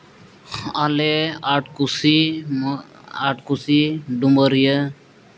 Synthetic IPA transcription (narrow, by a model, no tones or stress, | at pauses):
aleaʈkusi | aʈkusiɖuməɾjə